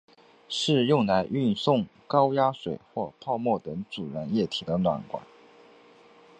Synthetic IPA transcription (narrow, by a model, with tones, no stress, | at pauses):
ʂɻ̩˥˧jʊ˥˩ŋla˧˥ɪʔy˥˧nsʊ˥˩ŋkɑ˥ʊja˥ʂwḛ˨˩ɪxwɔ˥˧pʰɑ˥˧ʊmwɔ˥˩t̪ɤ˧˥ŋt͡su˨˩ɻa˧˥njɛ˥˩t̪ʰi˨˩d̪ə˦nwa̰˨˩nkwa̰˨˩˦n